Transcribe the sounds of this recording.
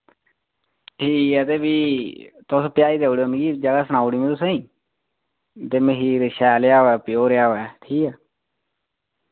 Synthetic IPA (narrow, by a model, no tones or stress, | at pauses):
ʈʰiːkɛːt̪eːbiːt̪ʊspjaːiːd̪eːoɽiːonɡiːd͡ʒəɡaːsəñaːuɽiːmẽːt̪ʊsẽĩː | t̪eːməɦiːɾʃɛːljaːoɛːpɪjoːɾjaːɛːʈʰiːkɛː